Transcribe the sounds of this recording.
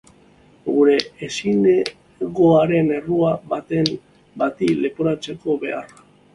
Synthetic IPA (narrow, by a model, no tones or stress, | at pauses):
ɡuɾe̞esine | ɣo̞aɾe̞ne̞ruaβat̪e̞m | bat̪ile̞poɾat͡se̞ko̞βe̞ara